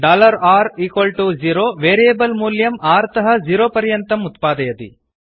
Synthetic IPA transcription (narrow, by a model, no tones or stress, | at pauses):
ɖaːlɐɾaːɾiːkʋɐlʈud͡ʒiːɾoːʋeːɾieːbɐlmuːljɐmaːɾt̪ɐɦɐ̆d͡ʒiːɾoːpɐɾjɐnt̪ɐmut̪paːd̪ɐjɐt̪ḭ